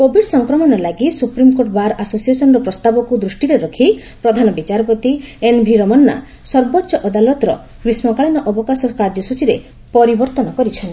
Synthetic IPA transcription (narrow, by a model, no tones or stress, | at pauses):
kobʱiɽsɔŋkɾɔmɔnɔlaɡisupɾimkoʈɔbaɾʔasosiesɔnɔɾɔpɾɔst̪abɔkud̪ɾusʈiɾeɾɔkʰipɾɔd̪ʱanɔbit͡ʃaɾɔpɔt̪ienbʱiɾɔmɔnːa̰ | sɔɾbɔtːʃɔʔɔd̪alɔt̪ɾɔ̰ | kɾismɔkaɭinɔʔɔbɔkasɔkaɾd͡ʒɔsut͡ʃiɾe | pɔɾibɔɾt̪ɔnɔkɔɾit͡ʃʰɔnt̪i